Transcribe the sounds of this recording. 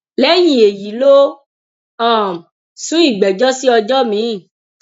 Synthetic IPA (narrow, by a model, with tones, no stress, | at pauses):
lɛ˦jĩ˦˨e˨ji˨˦lo˦ | ã˦˨ | sũ˨˦i˦˨ɡ͡bɛ˨d͡ʒɔ˦si˦ɔ˧d͡ʒɔ˦mĩ˨˦˨